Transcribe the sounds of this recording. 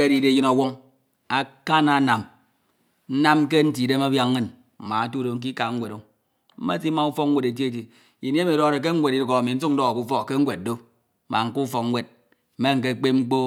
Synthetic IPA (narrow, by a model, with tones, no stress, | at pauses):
e˦di˨de˨ji˦na˨wo˦ŋ | a˦ka˦na˨˦na˨m | n̩˦na˦m˦k̬e˦n̩˦t̬i˨de˦ma˦bja˦ŋŋː˦ɨ˦˨n | m̩˨ma˨a˦tu˦do˨ŋ̩˦k̬i˦ka˨ŋ̩˦we˨ɾo˦ | m̩˦ma˦ti˦ma˨u˦fɔ˦k̚ŋ̩˦wʷe˨de˨t̬ji˦e˨t̬i˨ | i˨ni˦mi˨do˦˨ɾe˨k̬e˦ŋ̩˦we˨ti˦dko˨a˨mi˨n̩˦su˦k̚n̩˦dɔ˦ɣa˨ku˦fɔ˦kke˦ŋ̩˦we˨t̚do˦ | mʔa˨ŋ̩˦ku˦fɔ˨k̚ŋ̩˦wʷe˨d̚ | m̩˦me˦ŋ̩˨k̬e˦˨k͡pe˦ŋ͡m̩˦k͡po˦